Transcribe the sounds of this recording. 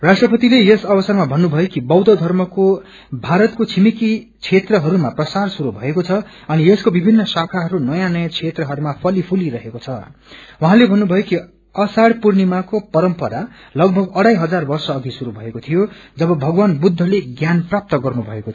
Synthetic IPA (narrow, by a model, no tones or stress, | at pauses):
rasʈrʌpʌt̪ilejesʌbʌsʌrmabʱʌnːubʱʌjokibʌwd̪ʌd̪ʱʌrmʌko | bʱaɾʌt̪kot͡sʰimikit͡sʰet̪rʌɦʌɾumaprʌsarsuɾubʱʌekot͡sʰʌ | ʌnieskobibʱinːʌsakʰaɦʌɾunʌjãnʌjãt͡sʰet̪rʌɦʌɾumapʰʌlipʰuliɾʌɦekot͡sʰʌwuɦãlebʱʌnːubʱʌjoki | ʌsaɽpurnimakopʌɾʌmpʌɾa | lʌɡ̚bʱʌɡʌɽajɦʌd͡zarbʌrsʌːɡisuɾubʱʌekot̪ʰijod͡zʌbʌbʱʌɡwanbud̪ʱːʌleɡjanprap̚t̪ʌɡʌrnubʱʌekot̪ʰ